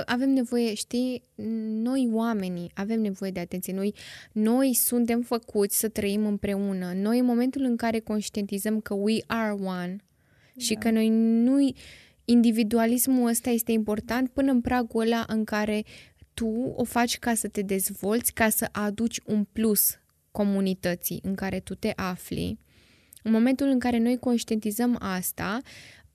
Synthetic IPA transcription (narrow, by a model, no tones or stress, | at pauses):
ʔave̞mne̞vo̞je̞ʃt̪i | no̞jwame̞niave̞mne̞vo̞je̞d̪e̞at̪e̞nt̪sije̞nojno̞jsunt̪̬e̞mfəkut̪sʲsət̪ɾəimɨmpɾe̞unəno̞jɨnmo̞me̞nt̪ulɨŋkaɾe̞ko̞nʃt̪ie̞nt̪izəmkəwiʔarwan | ʃikəno̞jnu | ind̪ivid̪ualismuəst̪aje̞st̪e̞impo̞rt̪ant̪̚pɨnəɨnpɾaɡolaʔɨŋkaɾe̞t̪uo̞̰fat͡ʃʲkasət̪e̞d̪e̞zvo̞lt̪sʲkasəʔad̪ut͡ʃʲunplus | ko̞munit̪ət̪sḭʔɨŋkaɾe̞t̪ut̪e̞ʔaflḭ | ɨnmo̞me̞nt̪ulɨŋkaɾe̞no̞jko̞nʃt̪ie̞nt̪izəmast̪a